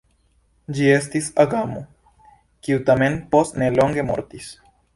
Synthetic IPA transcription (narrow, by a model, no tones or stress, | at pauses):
d͡ʒies̬t̪isaɡamo | kiut̪amenposneloŋɡemo̰ɾt̪is